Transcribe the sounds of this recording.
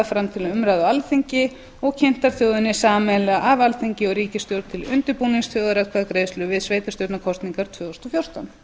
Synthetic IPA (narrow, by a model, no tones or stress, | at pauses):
fɾamt̪ʰɪlʏmɾajðʏalθiɲcɪ | ɔɣcʰɪn̥t̪aɾ̥θjowðʏnːɪsaːmɛlaʔavalθiɲcɪɔɣɾiːcɪst̪jowɾt̪ʰɪlʏnt̪ʏɾpuːniŋsθjowðʏɾakʰvaðkɾeːjslʏvɪðsveːjt̪ast̪owt̪nakʰɔst̪niŋkaɾ̥t̪ʰvʏːost̪ɔfjowr̥t̪an